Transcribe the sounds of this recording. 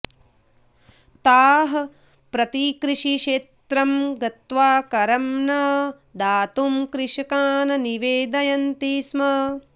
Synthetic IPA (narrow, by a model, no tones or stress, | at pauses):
t̪aːɦɐ | pɾɐt̪ikɾiʂiʃeːt̪ɾɐmɡɐt̪ʋaːkɐɾɐmnɐ | d̪aːt̪umkɾɪʃɐkaːnɐniʋeːd̪ɐjɐnt̪ismɐ